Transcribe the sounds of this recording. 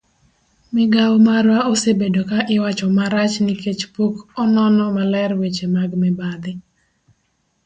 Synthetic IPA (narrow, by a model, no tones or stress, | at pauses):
mɪɡawmaɾwaosebedokaʔɪwat͡ʃɔmaɾat͡ʃniket͡ʃpokɔnɔnɔmalɛrwet͡ʃemaɡmɛbad̪ɪ